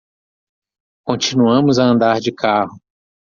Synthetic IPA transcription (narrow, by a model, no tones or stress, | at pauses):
kõnt͡ʃinuɐ̃mʊzɐɐ̃nd̪aɾd͡ʒɪkʰahʊ